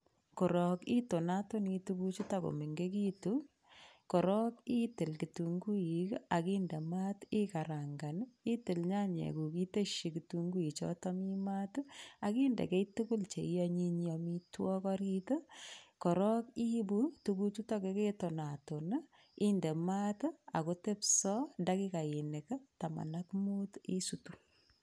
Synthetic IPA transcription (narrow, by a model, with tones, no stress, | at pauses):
ko˨ɾɔ˨ki˦to˨na˦to˦ni˧tu˦ku˦t͡ʃu˦ta˦ko̰˨mi˨ŋɡe˦ki˦tu˦ | ko˨ɾɔ˦ki˦tɪ˨lki˨tu˨ŋɡu˦i˨ka˨ki˦nde˨ma˦ti˦ka˨ɾa˨ŋɡa˨ni˦tɪ˨lɲa˦ɲḛ˨ku˨ki˦te˦ʃi˨ki˨tu˦ŋɡu˦i˨t͡ʃɔ̰˦tɔ˦mi˦ma˦tu˦a˨ki˦ndḛ˨ke˦tu˦ku˦lt͡ʃḛ˨ijɔɲi˦ɲɔmitwɔ˦kɔ˦ɾi˦tə˦kɔ˨ɾɔ˦ki˦bu˦tuku˦tu˦tɔ˦ke˦ke˦to˨na˨to˨n˦ | i˦nde˨ma˦ta̰˨ko˦te˦psɔ˦nda˦ki˦ka˨i˨ne˨kə˦ta˨ma̰˨na˦kmu˦ti˦sutu